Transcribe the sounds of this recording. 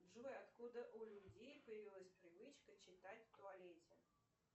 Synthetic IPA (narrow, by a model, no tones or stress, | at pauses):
bʐujat̪kud̪əʔulʲud͡zʲejpəjɪvʲilˠəsʲpɾɨvɨt͡ʃkət͡ʃɪt̪at͡sʲt̪ʊalʲɛt͡sʲɛ